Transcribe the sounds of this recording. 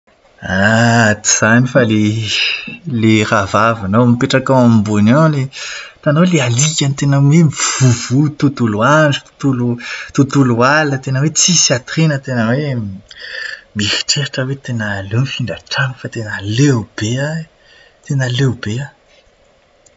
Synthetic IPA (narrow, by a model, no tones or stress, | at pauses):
at̪iz̥anifale | leravavanomipeʈ͡ʂakawamimbonawlet̪anowlealikʲanit̪enəmemiv̥uv̥ut̪ut̪uluand͡zu̥t̪u̥t̪ulut̪ut̪ulualinət̪enəwet͡sisat̪ɾenət̪enəwe | mihi̥ʈ͡ʂeɾaʈ͡ʂəwet̪enəlewnfiɳɖ͡ʐaʈ͡ʂanəfat̪enəlewb̥ea | t̪enəlewbea